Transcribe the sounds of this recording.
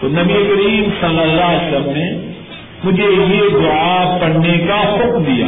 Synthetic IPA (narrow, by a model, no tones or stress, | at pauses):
t̪oːnɐbiekɐɾiːmsɐlːɐlːaɦsɾɐmne | mʊd͡ʒʱejed̪ʊapɐɽnekahʊkmd̪ija̰ː